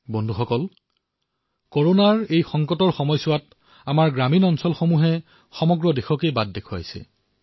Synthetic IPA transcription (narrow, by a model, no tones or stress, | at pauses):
bɔndʱuxɔkɔl | koɹonaɹejxɔŋkɔtɔɹxɔmɔjsʊwat | amaɹɡɹaminɔnsɔlxomuɦɛ | xɔmɔɡɹɔdexɔkejbad̚dekʰʊa̰jsɛ̰